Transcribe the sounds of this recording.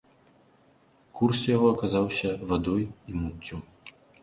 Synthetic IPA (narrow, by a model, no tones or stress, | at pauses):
kursjaɣɔɐkazawsʲɐvad̪ɔjimut̪ʲːu